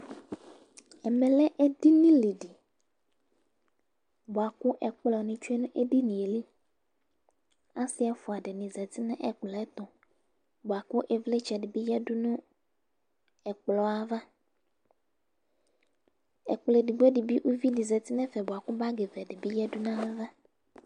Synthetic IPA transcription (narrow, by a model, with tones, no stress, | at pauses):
ɛ˨mɛ̃˨lɛ˦ʔe˦di˦nĩ˦li˨ɖi˨ | bɔ˨a˨ku˦ʔɛ˨k͡plɔ˨nĩ˨t͡ʃu˦e˦nũ˦ʔe˦ɖi˦nĩ˨e˨li˦ | a˦si˦ɛ˨˦fu˨a˨ɖe˨nĩ˨zɛ˨t̪i˦nɛ̃˦ʔɛ˨k͡plɛ˨˦ɛ˦t̪ɔ˨ | bɔ˨a˨ku˦ʔe˨vle˦t͡ʃɛ˨ɖe˨bi˦jɛ˦ɖu˦nũ˦ | ɛ˨k͡plɔ˨a˦va˦ | ɛ̰˨k͡ple˨di˨ɡ͡be˦ɖi˨bi˦ʔu˦vi˦di˨zɛ˨t̪i˦nɛ̃˦fɛ˨bɔ˨a˨ku˦ba˦ɡe˨vɛ˨ɖe˨bi˦jɛ˦du˦nã˦mẽ˦va˦